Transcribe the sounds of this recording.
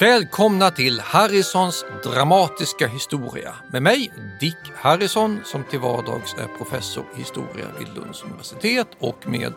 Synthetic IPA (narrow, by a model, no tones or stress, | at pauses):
vɛːlkʰɔmnat̪ʰɪlhaɾɪsɔnsd̪ɾamɑːt̪ɪskaɦɪst̪uːɾɪ̰a̰ | memɛjd̪ɪkːhaɾɪsɔnsɔmt̪ʰɪlvɑːɖɑ̰ːɡsæ̰ɾpʰɾʊfɛsːʊɾhɪst̪ṵːɾɪ̰a̰d̪ɪ̰lːɵ̰nd̪sɵnɪvæʂɪt̪ʰeːt̪ʰɔkmḛːd̪